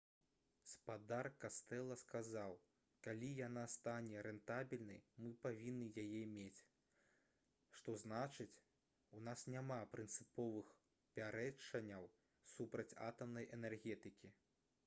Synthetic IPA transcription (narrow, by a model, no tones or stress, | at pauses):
spad̪arkast̪ɛlˠɐskazaw | kalʲijanast̪anʲɛɾɛnt̪abʲilʲnɐjmɨpavʲinːɨjajɛmʲet͡sʲ | ʂt̪ɔznat͡ʂɨt͡sʲ | unasnʲamapɾɨnt̪sɨpɔvɨx | pʲaɾɛt͡ʂːɐnʲːɐw | supɾɐt͡sʲa̰t̪ɐmnɐjʔɛnɛrɣʲɛt̪ɨkʲi